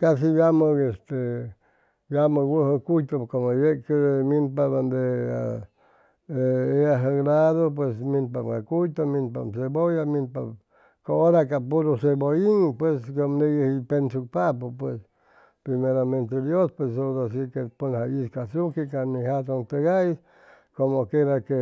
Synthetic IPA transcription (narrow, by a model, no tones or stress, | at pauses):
kas̬ijaməest̪e | jaməwuɦokujt̪okomojekeminpaband̪ea̰ | eeaɦəɡlaðop̬wesmĩnpamɡakujt̪omĩnpa̰msebojaminpa | kooɾakapuɾoseboiŋpweskomdejehipensuk̚papopwes | pɾimeɾamẽnt̪ed̪jospwesodas̬ikepunhaiskasukikaniɦat̪oŋt̪eɣais | komokeɾake